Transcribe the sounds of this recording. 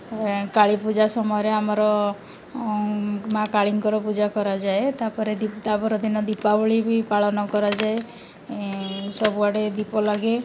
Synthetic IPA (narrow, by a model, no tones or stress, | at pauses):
kaɭipud͡ʒasɔmɔjɔɾeamɔɾɔ | makaɭiŋkɔɾɔpud͡ʒakɔɾad͡ʒaet̪apɔɾed̪it̪apɔɾɔd̪inɔd̪ipabɔɭibʱipaɭɔnɔkɔɾad͡ʒae | sɔbuaɽed̪ipɔlaɡe